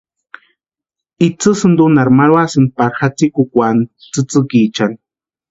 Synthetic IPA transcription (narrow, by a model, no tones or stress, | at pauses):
it͡sɨsɨnd̪unaɾmaɾwasɨn̚paɾxat͡sikukʷan | t͡sɨt͡sɨkit͡ʃan